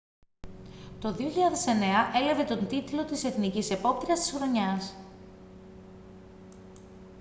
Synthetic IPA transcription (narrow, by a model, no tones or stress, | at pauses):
t̪o̞ðio̞çiʎɐðe̞se̞ne̞ɐʔe̞lɐve̞t̪o̞nt̪it̪lo̞t̪ise̞θnicise̞po̞p̚t̪ɾiɐst̪isxɾo̞ɲɐs